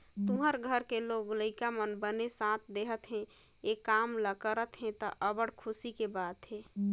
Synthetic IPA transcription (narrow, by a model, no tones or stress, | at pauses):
t̪uɦəɾɡʱəɾkeloɡləɪkamənbənesãt̪ʰd̪eɦət̪ɦɛ̃ | ekamləkəɾət̪ɦɛ̃t̪ɔʔəbəɽkʰʊsikebat̪ɦe